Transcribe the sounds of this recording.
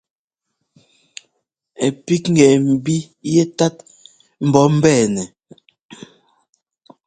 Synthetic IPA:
ɛ˨pi˦kŋ̩˦ɡɛː˨m̩˨bi˦ | je˦ta˦t̚ | m̩˨bɔ˨˦m̩˦bɛː˦˨nɛ˨

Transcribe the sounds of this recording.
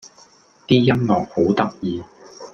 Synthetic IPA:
t̪iː˥jɐ˥nlɔː˨ŋ̚ho˨˥wt̪ɐ˥k̚jiː˨˧

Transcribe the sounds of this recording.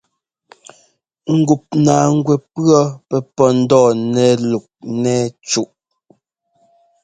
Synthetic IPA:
ŋ̩˨ɡu˨p̚naː˨ŋ̩˦ɡwɛ˨pɰɔ˦pɛ˦˨pɔ˦n̩˦dɔː˦˨nɛ˦lu˨k̚nɛː˦t͡ʃu˦ʔ

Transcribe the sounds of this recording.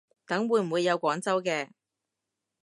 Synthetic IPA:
t̪ɐ˨˥ŋwuː˨˧jm̩˨˩wu˨˧jːɐ˨˧wkʷɔː˨˥ŋt͡sɐ˥wkɛː˧

